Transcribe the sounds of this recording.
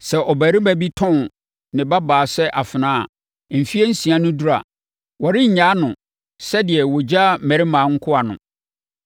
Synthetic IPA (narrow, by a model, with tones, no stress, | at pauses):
sɛ˨ʔɔ˨bæ˨ɾi˦mæ˨bi˦tʰɔ̃˦n | nɪ̃˨ba˦baː˨sɛ˦ʔa˨fɪ˨nãː˦a˨ | m̩˨fi˦e˦n̩˦sĩ˨a˦nʊ̃˦du˦ɾa̰˨ | wɔ˨ɾɪ̃˦ɲ̩˨ɲãː˨˦nʊ̃˨ | sɛ˦dɪ˨ɛ˨wo˨d͡ʑa˦mæ˨ɾi˦mãː˨˦ŋ̩˦kʰʊ˦a˨nʊ̰̃˨